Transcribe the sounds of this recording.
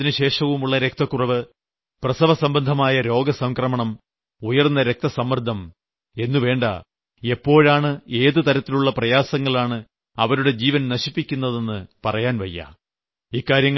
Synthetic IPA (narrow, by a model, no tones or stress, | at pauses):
inɨɕe̞ːʂɐʋumuɭːɐɾe̞k̚t̪ɐkːurɐʋɨ | prɐsɐʋɐsɐmbɐnd̪ʱɐmaːjɐɾo̞ːɡɐsɐŋkrɐmɐɳɐm | ujɐrnːɐɾek̚t̪ɐsɐmːrd̪ʱːɐm | e̞nːuʋe̞ːɳɖɐ̰ | e̞pːo̞ːɻaːɳɨe̞ːðɨt̪ɐɾɐt̪ːiluɭːɐprɐjaːsɐŋːɐɭaːɳɨ | ɐʋɐɾuɽe̞d͡ʑiːʋɐnnɐɕipːikʲːunːɐðe̞nːɨpɐrɐjaːnʋɐ̰jːɐ̰ | iːkːaːɾjɐŋː